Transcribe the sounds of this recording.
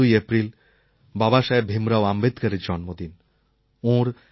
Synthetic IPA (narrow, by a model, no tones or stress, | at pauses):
ujepɾil | babaʃaebʱemɾaoambed̪kaɾeɾd͡ʑɔnmod̪in | õɾ